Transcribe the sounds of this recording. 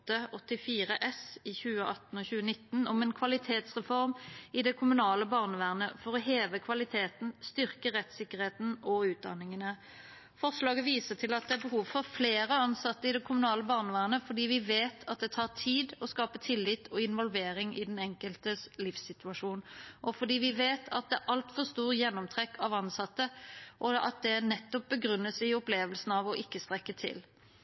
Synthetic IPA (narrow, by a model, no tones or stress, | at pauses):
t̪ːəɔt̪ːɪfiːʁəʔɛsɪçʉːəʔɑt̪ːn̩oːçʉːənɪt̪ːnɔmɛnkʰʋɑlɪt̪ʰeːt̪sʁɛfɔʁmɪd̪ɛkʰʊmʉnɑːləbɑʁnəʋæːʁnəfɔʁɔɦeːʋəkʰʋɑlɪt̪ʰeːt̪n̩st̪ʏʁkəʁɛt̪sɪkːəʁheːt̪n̩ʔɔʉːt̪̚d̪ɑ̰nɪŋənə | fɔʁʂlɑːɡəʋiːsət̪ʰɪlɑt̪̚d̪ɛæʁbəɦuːʋfɔʁfleːɾəɑnsɑt̪ːəɪd̪ɛkʰʊmʉnɑːləbɑːʁnəʋæːʁnəfɔɖiːʋɪʋeːt̪ʰɑt̪̚d̪ɛt̪ʰɑːʁt̪ʰiːd̪ɔskɑːpət̪ʰɪlːɪt̪ʰɔɪnʋɔlʋeːɾɪŋɪd̪ɛnɛŋkəlt̪əslɪfsɪt̪ʉɑʂuːnʔɔfɔd̪iːʋɪʋeːt̪ʰɑt̪̚d̪ɛæɾʔɑlt̪fɔʁst̪uːʁjɛnːɔmt̪ʰʁɛkʰːɑʋɑnsɑt̪ːəʔɔɑ̰t̪̚d̪ɛnɛt̪ːɔp̚bəɡʁʉnːəsɪɔpleːʋəlsn̩ɑʋɔʔɪkːəst̪ʁɛkːət̪ʰɪ̰l